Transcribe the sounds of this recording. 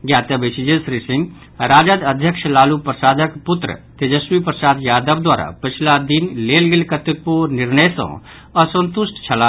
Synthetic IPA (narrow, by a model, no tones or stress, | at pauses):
ɡjaːt̪əbesid͡ʒesɾisiŋɡ | ɾaːd͡ʒad̪əd̪ʱjəkʃlaːlupɾəsaːd̪əkput̪ɾə̰t̪ed͡ʒəswipɾəsaːd̪jaːd̪əbd̪waːɾa̰pət͡ʃʰlad̪inlelɡelkət̪ək̪̚puɾnɪɾnəjs | əsə̃nt̪usʈt͡ʃʰəla